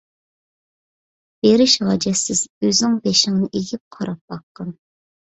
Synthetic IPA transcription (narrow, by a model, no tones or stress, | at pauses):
b̥eɾɪʃʁɑd͡ʒɛsɪz̥øzɪŋbeʃɪŋnɨʔeɡʲɪp̚qʰɑɾɑp̚bɑqːɑn